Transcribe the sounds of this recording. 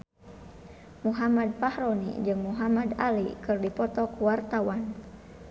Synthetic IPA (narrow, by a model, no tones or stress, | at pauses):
muɦamad̪̚pahɾɔnḭd͡ʒɨŋmuɦamadalḭkɨrdipɔt̪ɔkuwart̪awan